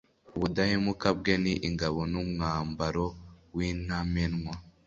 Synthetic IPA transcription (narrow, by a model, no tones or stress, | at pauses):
uβudahemukabɡeniʔiŋɡaβonumŋaːmbaɾowiːnamenŋwa